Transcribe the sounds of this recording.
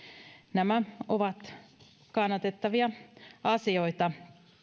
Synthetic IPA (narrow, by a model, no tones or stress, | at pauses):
næmæoʋɑt̪ | kɑnːɑt̪et̪ːɑʋiɑɑsioit̪ɑ